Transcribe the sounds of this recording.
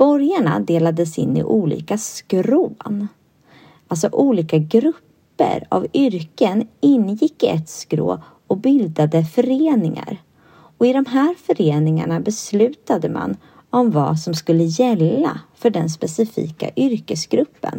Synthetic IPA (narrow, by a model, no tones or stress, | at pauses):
b̥ɔɾjaɳa̰d̪eːlad̪əsɪ̰nːɪ̰ʔuːlḭːkaskɾoːn | ʔalsɔʔuːliːkaɡɾɵpːə̰ɾa̰vʏɾkənɪnːjɪkːɪɛt̪skɾo̰ː | ɔbʏld̪ad̪əfœɾeːnɪŋa̰ɾ | ɔɪd̪ɔmɦæːɾfœɾeːnɪŋa̰ɳabɛslʉ̟ːt̪ad̪əma̰n | ɔmva̰sɔmskɵlːəjɛlːafœɖɛnspɛsɪfḭːka̰ʔʏɾkəsɡɾɵpːə̰n